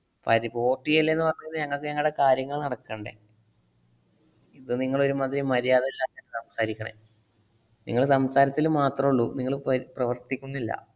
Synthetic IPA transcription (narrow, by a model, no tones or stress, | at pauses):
pɐ̰jðipoːʈːijɐlːenːɨpɐrɐɲːuinːɨɲɐŋːɐɭkːɨɲɐŋːɐɭɨɽe̞kaːɾjɐŋːɐɭnɐɽɐkːɐɳɖḛ | iðɨniŋːɐɭo̞ɾumaːd̪ɾimɐɾijaːðelːaːenɖɨsɐmsaːɾikʲːɐɳḛ | nḭŋːɐɭsɐmsaːɾɐt̪ːilumːaːt̪rɐmuɭːuniŋːɐɭprɐʋɐrt̪ːikʲːunːilːɐ̰